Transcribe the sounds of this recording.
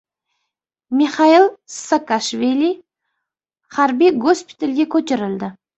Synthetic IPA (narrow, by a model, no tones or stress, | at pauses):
miχɑilˠsakaʃvilʲi | χaɾbijɡospi̥t̪elʲɡʲekʲʰɵt̪ɪɾɪld̪ɪ